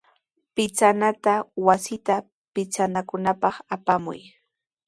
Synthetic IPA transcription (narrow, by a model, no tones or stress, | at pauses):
pɪt͡sanat̪awasɪt̪a | pɪt͡sanakʊnapɑχapamʊ̰j